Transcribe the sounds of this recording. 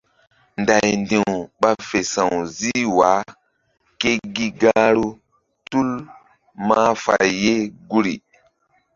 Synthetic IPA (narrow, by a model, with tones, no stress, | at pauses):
nda˨jndi˨wɓa˦fe˨sã˨wzi˦waː˨˦ | ke˦ɡi˦ɡa˦ɾu˦ | tu˦l | ma˦fa̰˨jːe˦ɡu˦ɾḭ˨